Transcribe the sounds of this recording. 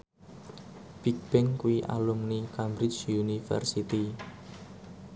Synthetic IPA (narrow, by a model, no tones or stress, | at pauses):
b̥ik̚b̥ɪŋkuiʔa̰lumnikambɾɪt͡ʃunifɛ̰rsit̪i